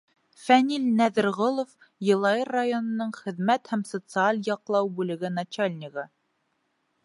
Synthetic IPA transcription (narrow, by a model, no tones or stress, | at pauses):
fænʲilʲnæðɘ̆ɾʁolˠof | jɤ̆lˠɑjɤɾːajonɤ̆nɤɴχɘ̆ðmæt̪hæmsŏt̪sɨalʲjɑqlˠɑwbʉlɘ̆ɡɘnat͡ɕalʲnʲɪʁɑ